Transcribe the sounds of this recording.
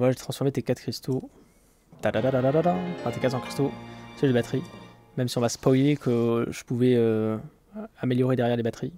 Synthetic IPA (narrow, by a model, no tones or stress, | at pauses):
mwaʒet̪χɑ̃sfɔʁmet̪ekat̪kχist̪o | t̪ad̪ad̪ad̪ad̪ad̪ad̪ãfɛ̃t̪ekat̪sɑ̃kχi̥st̪osɛd̪ebat̪χi | mɛmsiɔ̃vaspɔjlekəʒəpuvɛø | ameljɔʁed̪ɛʁjɛʁlebat̪χi